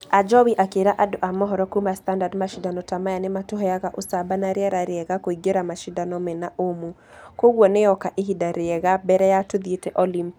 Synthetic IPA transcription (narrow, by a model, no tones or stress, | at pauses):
ad͡ʒɔwiʔakeɾaʔadoʔamɔɦɔɾɔkumastandadmaʃidanɔtamajanɪmatoɦɔjaɣaʔosabanaɾjaɾaɾeɛɣakoiɡeɾamaʃidanɔmɛnaʔomu | koɣwɔneɔkaʔeɦidaɾeɛɣabɛɾɛjatuðietɛʔɔlim